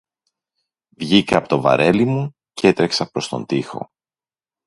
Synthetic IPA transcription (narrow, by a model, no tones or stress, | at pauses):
vʝikɐɐpot̪o̞vɐ̰ɾe̞limu | cee̞t̪ɾe̞ksɐpɾo̞st̪o̞̰nd̪ixo̞̰